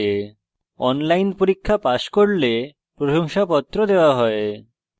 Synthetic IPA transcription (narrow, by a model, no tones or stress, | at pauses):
e | ɔnlajnpoɾikʰːapaʃkoɽle | pɾoʃoŋʃapɔt̪ːɾod̪eoaɦɔe